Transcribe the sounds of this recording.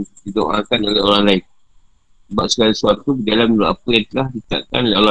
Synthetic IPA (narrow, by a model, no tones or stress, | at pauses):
dido̰ʔa̰kanolɛhoɾaŋlaɪn | baʔsə̥kalisuat̪ubidalamudoʔapəjaŋt̪əlahdit̪a̰ʔka̰nolɛɦoɾa